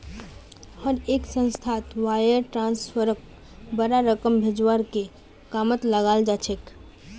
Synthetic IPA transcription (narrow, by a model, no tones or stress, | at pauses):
həɾeːksə̃nst̪ʰat̪waːjəɾʈɾãːnspʰəɾək̚ | bəɾaɾəkəmbʱed͡ʒwaɾke | kamət̪ləɡaːld͡ʒat͡ʃʰek